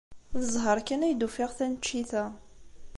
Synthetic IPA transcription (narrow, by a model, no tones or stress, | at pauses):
ðəzˤɦəɾˤkːənæjd̪ufiʁθænt͡ʃːiθæ